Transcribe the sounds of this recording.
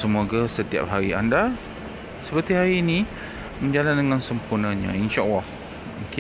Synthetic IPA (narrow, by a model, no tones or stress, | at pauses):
səmoɡasət̪ia̰p̚ɦaɾianda | səpət̪iɦaɾiːni | məɲd͡ʒalandəŋansəmpurnə̃ɲã̰inʃaʔlah | ukɪ